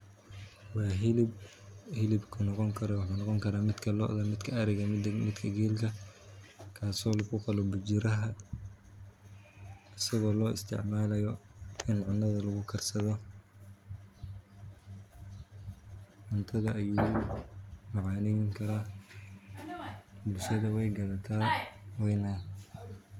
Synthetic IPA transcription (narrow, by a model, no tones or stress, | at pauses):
wɑːɦɪlɪb | hɪlɪbkʰʊnɔqɔŋkʰɐɾwɑħuːnɑqɔŋkʰɐɾaːmɪd̪kʰɐlɔʔðɐmɪd̪kʰɐɐɾɪɣɐmɪd̪kʰɐɡɛːlkʰɐ | kʰaːsɔːlɐɣʊqɑlɔbʊd͡ʒɪɾɐɦɐ | ɐsɐɣɔːlɔːɪ̰st̪ʰɪ̰ʕmaːlɐjɔɪnʕʊnːɐðɐlɐɣʊkʰɐrsɐðɔ | ʕʊnt̪ʰɐðɐʔːjuː | mɑʕɑːnɛjŋkʰɐɾaː | bʊlʃɐðɐwɛjɡɐðɐt̪ʰaːwɛjnɐ